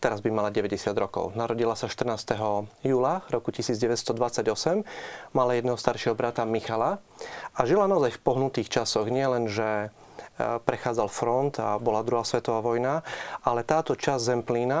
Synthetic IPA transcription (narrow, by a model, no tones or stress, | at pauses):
t̪ɛɾazbimalaɟɛʋɛɟɛsɪad̪ɾɔkɔ̰ʊnaɾɔɟilasaʃt̪r̩naːst̪ɛɦɔjuːlaɾɔkucisiːd͡zɟɛʋɛt̪st̪ɔd̪ʋat͡saɟɔsɛmmalajɛd̪nɛɦɔst̪aɾʃɪɛɦɔbɾat̪amixalaaʒilanaɔzajfpɔɦnut̪iːxt͡ʃasɔɣɲɪɛlɛnʒɛ | pɾɛxaːd͡zalfɾɔnt̪a̰bɔlad̪ɾuɦaːsʋɛt̪ɔʋaːʋɔjnaʔalɛt̪aːt̪ɔt͡ʃazzɛmpliːna